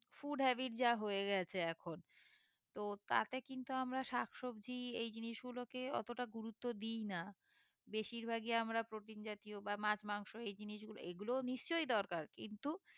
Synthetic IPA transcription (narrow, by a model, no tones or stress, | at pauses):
fuɖɦɛbiʈd͡ʑaɦoeɡɛt͡ɕʰeɛkʰon | t̪ot̪a̰t̪ekint̪uamɾaʃakʰʃobd͡ʑʱiejd͡ʑiniʃɡulokeɔ̰t̪oʈaɡuɾut̪ːod̪ijna | beʃiɾbʱaɡiamɾapɾoʈind͡ʑat̪iobamãt͡ɕmaŋʃoejd͡ʑiniʃɡulo̰eɡuloniʃt͡ɕojd̪ɔɾkaɾkḭnt̪u